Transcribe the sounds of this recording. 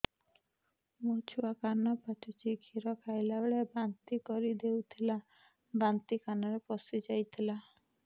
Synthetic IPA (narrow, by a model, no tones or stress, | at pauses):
mot͡ʃʰuakanɔpat͡ʃʰut͡ʃiɡʱiɾɔkajlaɭebant̪ikɔɾid̪ewt̪ʰila | bant̪ikanɔɾepɔsid͡ʒajt̪ʰila